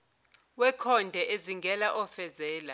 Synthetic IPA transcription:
wɛkʰɔndʱɛʔeziŋɡʱɛlaʔɔfɛzɛːla

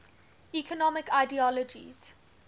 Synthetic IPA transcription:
ikʰɔnɔmɪkaɪdiɔləd͡ʒḭz̥

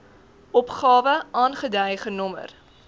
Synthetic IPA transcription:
ʔɔpχɑːvəʔɑːnχədɛjχənɔmə̰r

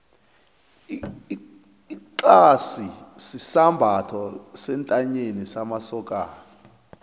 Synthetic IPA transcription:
ǃasisisambʱatʰɔsɛntʼaɲenisamasɔkʼaː

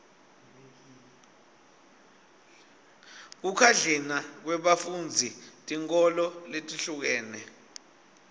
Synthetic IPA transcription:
k̬ukʰaɮɛnak̬wɛɓafund͡zʱitʼiŋkʼɔlɔletʼiɬuk̬ɛːnɛ

